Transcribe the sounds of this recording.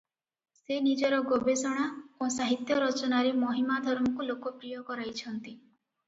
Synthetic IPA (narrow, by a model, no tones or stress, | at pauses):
senid͡ʒɔɾɔɡobesɔɽ̃aosaɦit̪jɔɾɔt͡ʃɔnaɾemɔɦimad̪ʱɔɾmɔkulokɔpɾijɔkɔɾajt͡ʃʰɔnt̪i